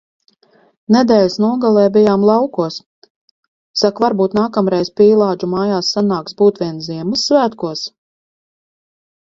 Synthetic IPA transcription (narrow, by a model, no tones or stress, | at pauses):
nɛd̪ɛːlʲsnuɔɡalˠɛːbʲijaːmlˠɑwkuɔs | sakvaɾbuːt̪naːkamɾɛjzpʲiːlˠaːd͡ʒumaːjaːsːanaːksbuːt̪vʲiɛnziɛmɨsːvæːt̪kuɔs